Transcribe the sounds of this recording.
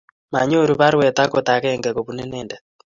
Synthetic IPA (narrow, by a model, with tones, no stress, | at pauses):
ma˨ɲo˦˨ɾu˨βa˦ɾwɛ˨t̪a˦kɔ˨t̪a˨kɛŋɡɛ˨kɔ˨βu˨nɛ˦nɛː˨nda˨